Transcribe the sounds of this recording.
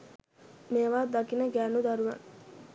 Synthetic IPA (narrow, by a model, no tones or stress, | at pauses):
meːʋaːd̪akinəɡæːnud̪aɾuʋa̰ŋ